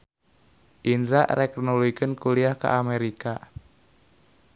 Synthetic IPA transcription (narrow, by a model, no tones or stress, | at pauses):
ʔindɾaʔɾɛknuluikɨnkuliahka̰ʔameɾika